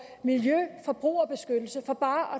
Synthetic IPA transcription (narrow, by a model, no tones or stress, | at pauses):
miljøfɒ̽b̥ʁṵːɒ̽b̥e̝sɡ̥ød̥l̩səfɒ̽b̥ɑ̈ːʔɒ̽